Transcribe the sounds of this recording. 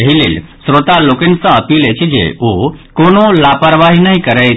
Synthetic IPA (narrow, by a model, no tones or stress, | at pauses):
əɦilḭlsɾot̪alokensãəpiːlet͡ʃʰid͡ʒḛokonolapəɾʋaɦinəɦĩkəɾe